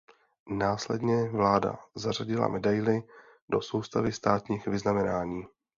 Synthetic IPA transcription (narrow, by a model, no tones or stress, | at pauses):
naːslɛdɲɛvlaːda̰zaraɟɪla̰mʔɛdajlɪ | do̞̰so̞wst̪avɪst̪aːt̪ɲiːxvɪznamɛnaːɲiː